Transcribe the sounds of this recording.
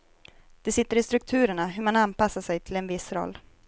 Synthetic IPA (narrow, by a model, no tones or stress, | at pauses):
d̪̥ɛsɪt̪ːəɾɪst̪ɾɵk̚t̪ʰʉ̟ːɾəɳaɦɵmananpasːaʂɛjt̪ʰɪlɛnvɪsɾɔ̰lː